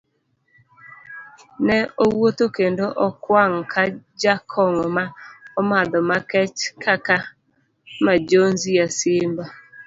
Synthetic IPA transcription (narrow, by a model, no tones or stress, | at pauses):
nɛowotokendoʔɔkwaŋkʰad͡ʒakʰɔŋɔmaɔmad̪ɔmakɛt͡ʃkʰaka | mad͡ʒonzijasɪmba